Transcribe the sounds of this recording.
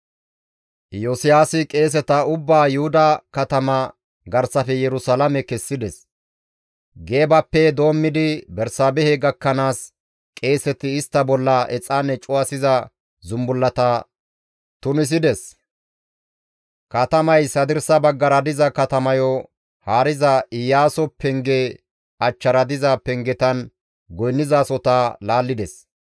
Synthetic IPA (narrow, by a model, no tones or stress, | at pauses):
josɪjaːsɪkʼe̞ːs̬ɛt̪ɐʊbːaːjʊhʊd̪ɐkɐt̪ɐmɐ | ɡɐɾsɐfɛjɛɾʊsalɐmɛkɛsːɪd̪ɛs | ɡe̞ːbɐpːɛd̪o̞ːmːɪd̪ɪbɛɾsaːbɛhɛɡɐkːɐnaːs | kʼe̞ːsɛt̪ːɪːst̪ːɐbɔlːɐɛt͡sʼːaːnːɛt͡ʃʼʊwɐsɪzɐ | zʊmbʊlːɐt̪ɐ | t̪ʊnɪs̬ɪd̪ɛs | kɐt̪ɐmɐjsɐd̪ɪɾsɐbɐɡːɐɾɐd̪ɪzɐkɐt̪ɐmɐjɔ | haːɾɪzɐɪjːaːsɔpɛŋɡɛ | ɐt͡ʃːɐɾɐd̪ɪzɐpɛŋɡɛt̪ɐn | ɡɔjnːɪzaːsɔt̪alaːlːɪd̪ɛs